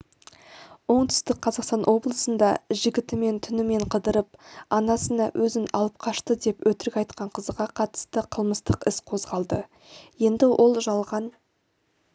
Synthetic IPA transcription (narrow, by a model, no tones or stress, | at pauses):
wo̞ɴt̪ʰʏ̥st̪ɪk̚qʰːɑzɑqst̪ɑnʔwo̞blˠəsənd̪ɑʒɪɡʲɪt̪ɪme̞nt̪ʰʏnɪme̞ɴqʰəd̪əɾəp̚ɑnɑsənɑ̰wʔɵzɪnɑ̰lˠəp̚qʰɑʃt̪əd̪e̞pwɵt̪ɪɾɪkʲɑjt̪̚qɑɴqʰəzʁɑqʰɑt̪ə̥st̪əqʰəlˠməst̪əqɪsqʰo̞zʁɑlˠd̪ə | je̞nd̪ɪwʔo̞lˠʒɑlˠʁɑn